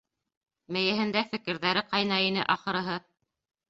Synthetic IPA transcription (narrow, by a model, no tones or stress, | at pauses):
mɘ̆jɘ̆ɦɘ̆nd̪æfɘ̆kɘ̆ɾðæɾɘqɑjnɑinɘ̰ʔɑχɤ̆ɾɤ̆ɦɤ